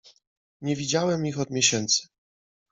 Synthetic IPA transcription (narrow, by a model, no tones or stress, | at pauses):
ɲɛvʲid͡ʑawɛmixɔd̪mʲjɛɕɛnt̪sɘ̥